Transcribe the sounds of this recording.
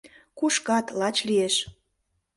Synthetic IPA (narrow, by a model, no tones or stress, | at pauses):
kuʃkɑt̪lɑt͡ɕlieʃ